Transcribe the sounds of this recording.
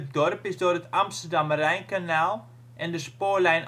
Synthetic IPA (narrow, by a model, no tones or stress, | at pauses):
ət̚dɔrpɪzdʊːrətɑmstərdɑmərɛjnkanaːlˠ | ʔɛndəspoːrlɛjn